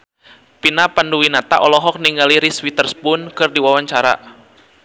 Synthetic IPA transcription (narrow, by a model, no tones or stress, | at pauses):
pinapanduwinat̪a̰ʔɔlɔɦɔk̚niŋɡaliɾiswit̪ərspʊnkɨrdiwawaɲt͡ʃaɾa̰